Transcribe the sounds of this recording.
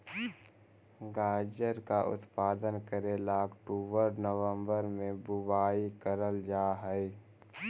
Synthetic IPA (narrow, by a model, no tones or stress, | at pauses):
ɡaːd͡ʒəɾkaʔʊ̰t̪paːd̪ənkəɾelaːkʈuːbəɾnəʋə̃mbəɾmẽbʊwaːikəɾəld͡ʒaːɦɛɛ